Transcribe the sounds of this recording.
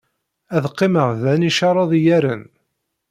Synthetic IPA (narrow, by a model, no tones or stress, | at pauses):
æðqːɪməʁðæniʃɑɾˤɑðˤjæɾən